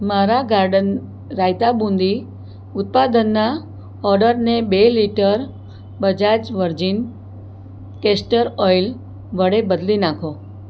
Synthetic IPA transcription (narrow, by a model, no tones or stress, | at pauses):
maɾaɡaɾɖən | ɾajt̪abũnd̪i | ʊt̪̚pad̪ənːa | ɔɾɖəɾnebeliʈəɾ | bəd͡ʒad͡ʒʋəɾd͡ʒin | kesʈəɾɔjl | ʋəɽebəd̪linãkʰo